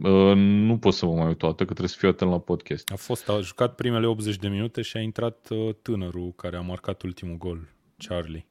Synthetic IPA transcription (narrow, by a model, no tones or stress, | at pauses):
ənupo̞t̪səvəmajut̪oat̪əkət̪ɾesə̥fiuwat̪ənlapod̪kʲest̪afo̞st̪aʒukat̪̚pɾime̞le̞o̞pze̞t͡ʃʲd̪e̞minut̪e̞ʃiaint̪ɾat̪ət̪ːɨnəɾukaɾe̞amarkat̪ult̪imuɡo̞l | t͡ʃarli